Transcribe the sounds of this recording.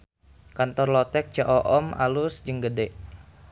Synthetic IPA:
kant̪ɔrlɔt̪ɛk̚t͡ʃaʔɔʔɔma̰lusd͡ʒəŋɡədɛʔ

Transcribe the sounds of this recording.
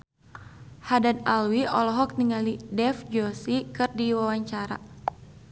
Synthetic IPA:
hadanalwiɔlɔɦɔk̚niŋalidɛfd͡ʒɔsikɨrdiwawaɲt͡ʃaɾa̰

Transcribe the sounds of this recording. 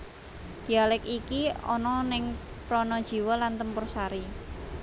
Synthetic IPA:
d̪̥ialɪkikiɔ̰nɔnɪŋ | pɾɔnɔd̥ʒ̥i̤wɔlant̪əmpʊrsaɾi

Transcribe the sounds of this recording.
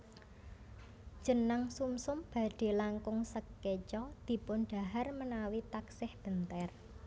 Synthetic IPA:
d͡ʒ̥ə̤naŋsumsʊmb̥ä̤ɖ̪̥e̤laŋkʊŋsəkːet͡ʃɔd̪̥i̤pʊnɖ̪̥a̤ɦarmənawit̪aksɪhb̥ənt̪ɛr

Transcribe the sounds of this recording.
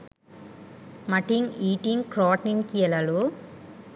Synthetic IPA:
mɐʈiŋiːʈiŋkɾɔːʈniŋkiɐlɐlu

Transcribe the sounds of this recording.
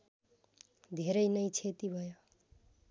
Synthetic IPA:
d̪ʱeɾəjnʌjt͡ʃʰet̪ibʱʌjo

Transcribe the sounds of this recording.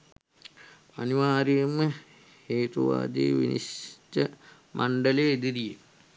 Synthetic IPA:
aniʋaːɾijəmə | heːt̪uʋa̰ːd̪ḛːʋḭnḭstə | mʔaɳɖɐleːd̪iɾije

